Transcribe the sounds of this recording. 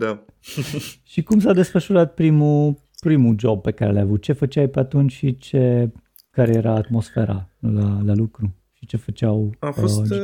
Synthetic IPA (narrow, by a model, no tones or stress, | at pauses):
d̪a | ʃikumsad̪e̞sfəʃuɾat̪̚pɾimu | pɾimud͡ʒo̞b̚pe̞kaɾealajavut̪̚t͡ʃe̞fət͡ʃajpeat̪unt͡ʃʲʃit͡ʃe | kaɾejeɾaːt̪mo̞sfeɾa̰lalalukɾu | ʃit͡ʃe̞fət͡ʃawaf